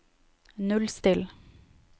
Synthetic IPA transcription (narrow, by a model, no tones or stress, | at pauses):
nʉlst̪ɪl